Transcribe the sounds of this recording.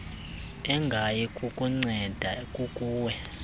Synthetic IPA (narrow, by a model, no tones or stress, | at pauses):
ɛŋɡʱajɛkʼukʼuŋ͡ǀɛd̥ʱakʼukʼuːwɛ